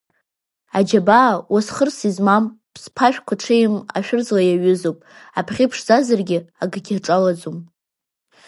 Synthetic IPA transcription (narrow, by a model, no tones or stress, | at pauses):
ad͡ʒabawasχərsizmampʰspʰaʃᶣkʷʰaʈ͡ʂʰejɪma̰ʃᶣʊrzlajaɥʏzopʼapʰχʲipʰʂzazarɡʲɪaɡaɡʲɪrʈ͡ʂʼalad͡zum